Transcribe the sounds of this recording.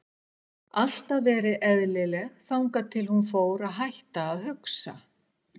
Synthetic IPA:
al̥t̪avɛːɾɪʔɛðlɪlɛɣθawŋkat̪ʰɪlhunfoːwɾaðɦajht̪aːðɦʏksa̰

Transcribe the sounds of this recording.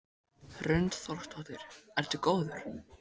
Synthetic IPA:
rʏɥnt̪θɔr̥ht̪ʰɔht̪ɪɾ̥ɛɾt̪ʏkoːwðʏɾ̥

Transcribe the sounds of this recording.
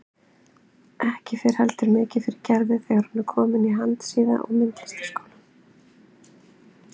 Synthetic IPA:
ɛhcɪfɪɾ̥hɛlt̪ʏɾmɪːcɪfɪɾɪɾcɛɾvɪθɛɣaɾ̥hunʏɾkʰɔːmɪniɦant̪siːða̰ʔɔ̰ɣmɪnt̪lɪst̪ɪ̥skoːwla

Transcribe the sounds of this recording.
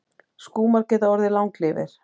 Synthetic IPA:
skuːmaɾ̥cɛðaɔɾðɪlawŋklɪːvɪ̰ɾ̥

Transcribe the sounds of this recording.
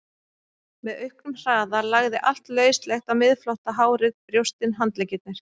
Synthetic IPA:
mɛðœɥhknʏmr̥aːðalaɣðɪʔal̥t̪lœːɥst̪lɛxt̪amɪðflowht̪aɦaːwɾɪðpɾjowst̪ɪnɦant̪lɛjcɪt̪nɪɾ̥

